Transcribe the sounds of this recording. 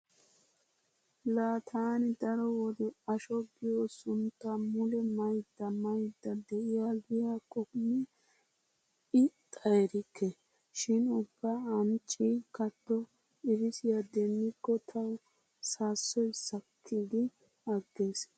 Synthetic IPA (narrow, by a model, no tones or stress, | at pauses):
laːt̪ʰaːnɪd̪ɐɾɔwɔd̪ɪɐʃɔɡɪjoːsʊnt̪ːamʊlɛmɐjd̪ːɐmɐjd̪ːɐd̪ɛʔɪjaɡɪjakʼɔkmɪ | ɪt̪ʼɐjɾɪkʰːe | ʃɪnʊbːaːɐnt͡ʃʼːikɐt̪ːɔ | ɪɾɪsɪjad̪ɛnːɪkːɔt̪ʰɐw | saːsːɔjsɐkʰːiːd̪ɪ | ɐɡːe̞ːs